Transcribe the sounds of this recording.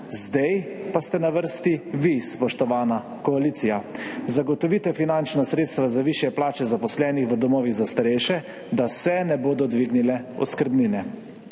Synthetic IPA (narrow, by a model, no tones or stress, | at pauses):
zd̪ɛjpast̪ɛnaʋəɾst̪iʋispɔʃt̪ɔʋaːna | kɔaliːt̪sijazaɡɔt̪ɔʋiːt̪ɛfinant͡ʃnasɾeːt̪st̪ʋazaʋiːʃjɛplaːt͡ʃɛzapɔslɛːnixʋəd̪ɔmɔːʋiɣzast̪aɾɛjʃɛ | d̪asɛnɛboːd̪ɔd̪ʋiːɡnilɛɔ̰skəɾbninɛ